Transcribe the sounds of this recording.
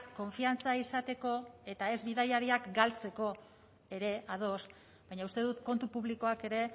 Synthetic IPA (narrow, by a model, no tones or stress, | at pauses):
kːo̞ɱfiant͡saisat̪e̞ko̞e̞t̪ae̞zβiðajaɾiakɡalt͡se̞ko̞ | e̞ɾe̞ʔað̞o̞s | bajɲaust̪e̞ðut̪ko̞nt̪upuβliko̞ake̞ɾe̞